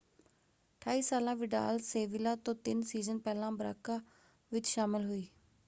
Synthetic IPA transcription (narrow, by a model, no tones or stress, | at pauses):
ʈʰaːiːsaːlãːʋɪɖa̰ːlseːʋɪlaːt̪õːt̪ɪnsiːzənpɛːlãːbəɾa̰ːkaː | ʋɪt͡ʃʃaːmɪlɦoiː